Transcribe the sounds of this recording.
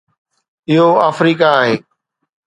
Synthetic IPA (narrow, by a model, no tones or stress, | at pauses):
ɪɦoaːfɾiːkaːɦeː